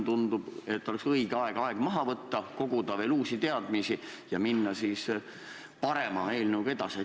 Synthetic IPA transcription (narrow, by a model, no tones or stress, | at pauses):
t̪und̪ub̥e̞t̪ːo̞le̞ksɤiɡ̥eɑe̞ɡ̥ɑe̞ɡ̥mɑɦɑvɤt̪ːɑko̞ɡ̥ud̪ɑʋe̞ːluːsit̪e̞ɑd̪̥misijɑminːɑsis | pɑɾe̞mɑe̞ːlnuwɡ̥e̞d̪̥ɑse